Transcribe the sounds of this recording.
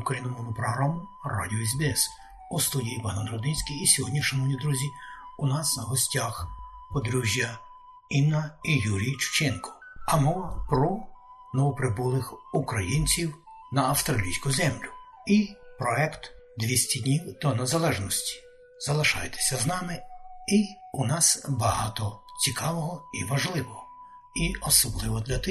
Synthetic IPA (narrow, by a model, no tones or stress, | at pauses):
ukɾɐjinɔmɔwnʊpɾɔɦɾɑmʊrɑ̰dʲiɔɛzbʲɛɛs | ust̪udʲijipɑnɔnɾɔd̪ɪsʲkiːsʲɔɦɔdʲnʲiʃɐnɔwnʲid̪ɾuzʲiunɑsɦɔsʲtʲaxpɔd̪ɾuʒʲjɐ | imnɐijuɾʲijt͡ʃʊ̥t͡ʃɛnkɔ̥ | ɐmɔʋɐpɾɔ | nɔʋɔpɾɪbulˠɪxukɾɐjinʲt͡sʲiw | nɐːwst̪ɾɐlʲijsʲkʊzɛmlʲʊ | ipɾɔɛkt̪ | d̪ʋʲisʲtʲid̪ʲnʲiwd̪̥ɔnezɐlˠɛʒnɔsʲtʲi̥ | zɐlˠɪʃɑ̰jet̪e̥sʲɐznɑmɪiunɑsbɐɦɑt̪ɔt͡sʲikɑʋɔɦɔiʋɐʒlˠɪʋɔɦɔ | iɔsɔblˠɪʋɔd̪lʲɐt̪ɪ